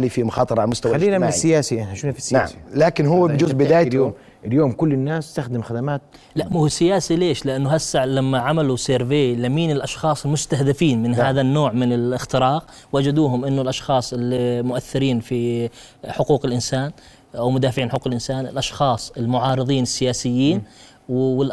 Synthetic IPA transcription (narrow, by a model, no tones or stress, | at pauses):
lifimʊxɑːt̪ˤɨɾˤʕalamʊst̪awaaliːnamɪnɪsːɪjaːsiʔɪnaʃunafinaʕalaːkɪnhʊwːabd͡ʒʊzbɪd̪aːjaljoːm | ʔɪljoːmkʊlːɪnːaːsɪst̪axd̪ɪmxad̪amaːt̪̚ | laʔmʊɪsːɪjaːsileːʃlɪʔanːʊɦasːaʕlamːaʕamaluseɾveːlamiːnɪlʔɑʃxɑːsˤɪlmʊst̪ahd̪ɪfiːnmɪnɦaːðanːoːʕmɪnɪlɪxt̪ɪɾɑːq | wad͡ʒad̪uːɦʊmʔɪnːʊlʔɑʃxɑːsˤʔɪlːimʊʔaθːɪɾiːnfi | ħʊquːqɪlʔɪnsaːn | ʔawmʊd̪aːfʕiːnħʊkuːqɪlʔɪnsaːnɪ̰lʔɑʃxɑːsˤɪlmʊʕɑːɾɨðˤiːnɪsːɪjaːsɪjːiːn | wɪl